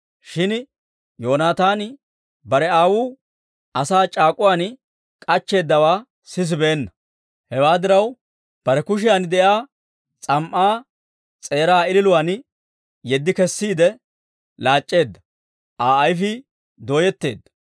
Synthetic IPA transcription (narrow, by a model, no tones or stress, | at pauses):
ʃɪn | jo̞ːnaːt̪aːn | bɐɾɛaːwuː | ʔɐsaːt͡ʃʼaːkʼʊwaːn | kʼɐt͡ʃːe̞ːd̪ːɐwaː | sɪs̬ɪbeːnːɐ | hɛwaːd̪ɪɾɐw | b̥ɐɾɛkʊʃ̬ɪjand̪ɛjaː | t͡sʼɐmʔːaː | t͡sʼe̞ːɾaːɪlɪlʊwaːn | jɛd̪ːɪkɛsːiːd̪ɛ | laːt͡ʃʼːe̞ːd̪ːɐ | ʔaːjfɪ | d̪oːjɛt̪ːe̞ːd̪ːɐ̥